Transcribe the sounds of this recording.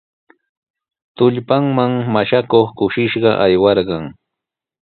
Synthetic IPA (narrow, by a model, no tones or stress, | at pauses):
t̪ʊʎpaŋmaŋmaʃakoχkʊʃɪʃɢɑʔajwɑɾɢɑŋ